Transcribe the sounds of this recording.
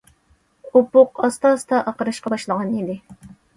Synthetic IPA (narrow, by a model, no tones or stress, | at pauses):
upʊqɑst̪ɑst̪ɑʔɑqəɾɨʃqɑbɑʃlˠəʁɑnid̪ɪ